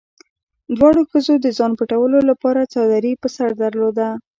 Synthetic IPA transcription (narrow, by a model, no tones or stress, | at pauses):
d̪wɑɽoxəzod̪əzɑnpəʈawəlolapɑɾat͡sɑwd̪aɾipəsaɾd̪əɾlod̪a